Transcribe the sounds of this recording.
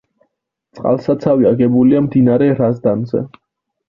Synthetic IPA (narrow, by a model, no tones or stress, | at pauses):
t̪sʼqʼa̰lˠsat̪sʰaviaɡɛbuliamd̪inaɾɛɾazd̪anzɛ̰